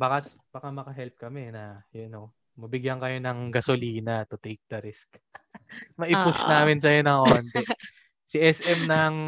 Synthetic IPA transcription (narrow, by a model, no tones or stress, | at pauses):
bakɐsb̥akamɐkɐɦɛlp̚kɐmɛnɐjɛno | mɐbɪɡjɐŋkɐjo̞nɐŋɡɐsoliːnɐt̪ʊt̪ejk̚d̪ɐɾɪsk | mɐʔɪpʊʃnaːmɪns̬ɐjonɐŋhoːnt̪ɛ | siʔɛsʔɛmnɐŋ